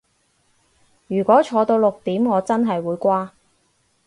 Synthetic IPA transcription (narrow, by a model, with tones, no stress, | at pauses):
jyː˨˩kʷɔː˨˥t͡ʃʰɔː˨˧t̪o˧wlʊ˨k̚t̪iː˨˥mŋɔː˨˧t͡sɐ˥nɦɐ˨jwuː˨˧jkʷaː˥